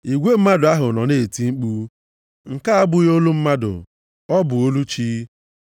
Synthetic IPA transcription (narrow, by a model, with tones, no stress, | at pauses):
i˨ɡʷe˦m̩˦ma˦dʊ˨a˦ɦʊ˨nɔ˨ne˦˨ti˨˦ŋ͡m̩˦k͡pu˦ | ŋ̩˨ka˦a˦bʊ˦jo˦lu˦m̩˦ma˦dʊ̰˨ | ɔ˦bʊ˨o˦lu˦t͡ʃiː˦